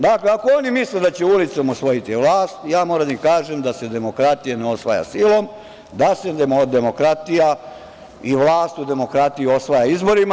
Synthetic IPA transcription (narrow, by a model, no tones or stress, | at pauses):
d̪akleakoonimisled̪at͡ɕeulit̪so̞mosʋo̞jit̪iʋlaːst̪jaːmoːɾad̪aikaːʒemd̪ase̞d̪e̞mo̞kɾat̪ijaneo̞sʋaja̰silˠo̞m | d̪ase̞d̪emod̪e̞mo̞kɾat̪ija | iʋlˠaːst̪ud̪e̞mo̞kɾat̪ijuo̞sʋajaizbo̞ɾima